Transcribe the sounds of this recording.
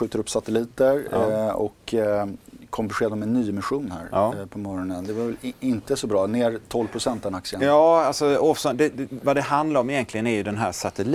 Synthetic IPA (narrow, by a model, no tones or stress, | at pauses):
ɧʉ̟ːt̪əɾɵpːsat̪ɛliːt̪əɾɔ̰kʰ | ɔmbɪɧeːd̪amɛnːyːmɪɧuːnhæ̰ːɾːpʰɔmɔɾɔnənd̪ɛvaɾvɛlɪnt̪əsɔbɾɑːneːɾt̪ʰɔlvpʰɾʊsɛnt̪ɛnaksɪəjɑːalsɔɔfsɔnd̪ɛd̪ɛvad̪ɛɦand̪laɾɔmɪjɛnt̪lɪɡənæɾjɵd̪ɛnɦæ̰ːʂat̪ɛl